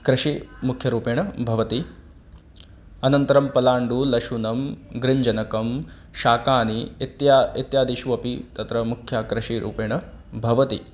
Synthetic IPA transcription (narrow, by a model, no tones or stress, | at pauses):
kɾɪʃimukʰjɐɾuːpeːɳ̃ɐbʱɐʋɐt̪i | ɐnɐnt̪ɐɾɐmpɐlaːɳɖulɐʃunɐmɡɾɪɲd͡ʒɐnɐkɐm | ʃaːkaːnit̪jit̪jaːd̪iʃuʋɐpit̪ɐt̪ɾɐmukʰjakɾɐʃiɾʔṵːpeːɳɐbʱɐʋɐt̪ḭ